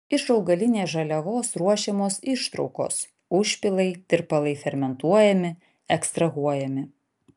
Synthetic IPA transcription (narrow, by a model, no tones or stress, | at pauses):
ɪʃɐʊɡɐlʲɪnʲeːsʒɐlʲɛʋoːsɾuɔʃʲɛmoːsɪʃt̪ɾɔʊko̰ːs | ʊʃʲpʲɪlˠɐɪt̪ʲɪɾpɐlˠɐɪfʲɛɾʲmʲɛnt̪uɔjɛmʲɪ | ɛkst̪ɾɐɣuɔjɛmʲɪ